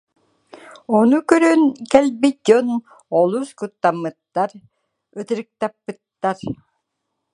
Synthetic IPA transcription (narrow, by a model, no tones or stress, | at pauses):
ɔnukœɾynkɛlbit̪̚d͡ʒɔn | ɔlˠuskut̪ːamːɯt̪ːaɾ | œt̪iɾɯk̚t̪apːɯt̪ːaɾ